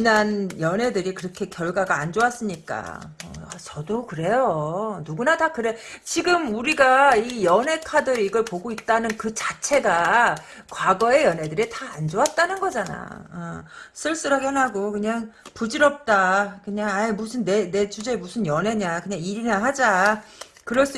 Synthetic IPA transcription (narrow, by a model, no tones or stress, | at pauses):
ɯnanjʌnɦe̞dɯɾikɯɾʌkʰe̞kjʌɭɡwaɡaːnd͡ʑoas͈ɯɲik͈a̰ | ʌ̰at͡ɕʌdokɯɾe̞jonuɡunatakɯɾe̞t͡ɕiɡɯmuɾiɡaijʌne̞kʰadɯɾiɡʌɭpoɡoit̚t͈anɯnkɯt͡ɕat͡ɕʰe̞ɡa | kwaɡʌe̞jʌne̞dɯɾitaːnd͡ʑowat̚t͈anɯnɡʌd͡ʑana̰ʌsʰɯɭs͈ɯɾaɡenɦaɡokɯɲaŋpud͡ʑiɾʌp̚t͈akɯɲaŋaimusʰɯnːene̞t͡ɕud͡ʑe̞musʰɯnjʌne̞ɲakɯɲaŋiɾinaɦad͡ʑa | kɯɾʌɭs͈u